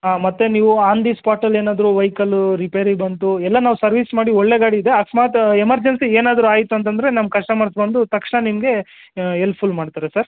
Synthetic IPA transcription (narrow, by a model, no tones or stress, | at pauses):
ɦaːmɐt̪ːeniːʋuaːnd̪ispaːɾʈɐleːnaːd̪ɐɾuʋɐjkɐluɾipeːɾibɐnt̪uɛlːɐnaːʋusɐɾʋiːsmaːɽiɔɭːe̞ɡaːɽiːd̪e̞ɐksmaːt̪emɐɾd͡ʒensieːnaːd̪ɐɾuaːjit̪uɐnt̪̬ɐnd̪ɐɾe̞nɐmkɐʂʈɐmɐɾsbɐnd̪ut̪ɐkʂɳɐnimɐɡe̞ | elpʰulmaːɖt̪aːɾesɐɾ